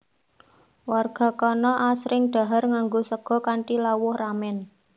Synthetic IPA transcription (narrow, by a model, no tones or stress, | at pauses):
warɡ̥a̤kɔnɔʔasɾɪŋɖ̪̥a̤ɦarŋaŋɡosəɡ̥ɔ̤kaɳʈilawʊhramɛn